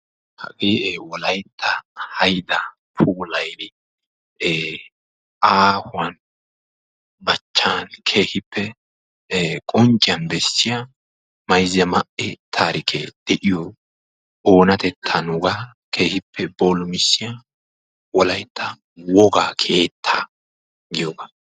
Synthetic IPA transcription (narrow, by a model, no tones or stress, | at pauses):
hɐ̰ɡʼeːʔewɔlɐjt̪ʰːɐhɐjd̪ɐ | pʰuːlɐjnɪ | ʔaːhʊɐn | bɐt͡ʃːankʰe̞ːhɪpːɛ | kʼɔnt͡ʃʼːɪjɐnbɛsːɪja | mɐjzɐmɐʔɛt̪ʰaːɾɪkʰɛd̪̥ɛʔɪjɔ | oːnɐt̪ɛt̪ʰːɐnʊɡa | kʰe̞ːhɪpːɛboːlʊmɪsːɪja | wɔlɐjt̪ʰːɐ | wɔɡakʰe̞ːt̪ʰːɐ | ɡɪjoɡɐ